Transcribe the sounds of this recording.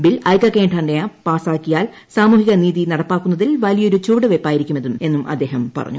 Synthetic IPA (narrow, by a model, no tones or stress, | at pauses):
bilɐjkːɐkːeːɳʈɐɳɖejapaːsaːkːijaːl | saːmuːhiɣɐniːðinɐɽɐpːaːkːunːɐðilʋɐlijɐo̞ɾut͡ɕuːɽɨʋepːaːjiɾikʲːumeðume̞nːumɐ̰d̪ːe̞ːɦɐmpɐ̰rɐ̰ɲːṵ